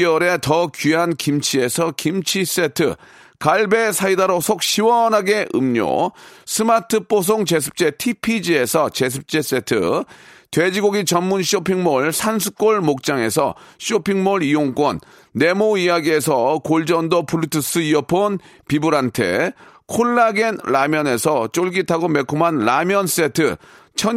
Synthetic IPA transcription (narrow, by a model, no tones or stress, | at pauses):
ʌɾe̞tʌkiɦankimt͡ɕʰie̞sʰʌkimt͡ɕʰis͈e̞tʰɯ̰ | kaɭbe̞sʰaidaɾosʰok̚ɕʰiwʌnɦaɡe̞ʔɯ̰mɲo̰sʰɯmatʰɯp͈os̬ʰoŋt͡ɕe̞sʰɯ̥p̚t͡ɕ͈e̞tʰipʰid͡ʑie̞sʰʌt͡ɕe̞s̬ʰɯp̚t͡ɕ͈e̞s͈e̞tʰɯ̰ | twed͡ʑiɡoɡit͡ɕʌnmunɕʰopʰiŋmoɭsʰansʰu̥k͈oɭmok̚t͡ɕ͈aŋe̞sʰʌ̰ɕʰopʰiŋmoɾijoŋk͈wʌnː | e̞moijaɡie̞sʰʌkoɭd͡ʑʌndopuɭtʰɯs͈ɯiʌpʰon | pibuɾantʰe̞̰kʰoɭːaɡenlamjʌne̞sʰʌt͡ɕ͈oɭɡitʰaɡome̞kʰomɦanlamjʌns͈etʰɯ | t͡ɕʰʌ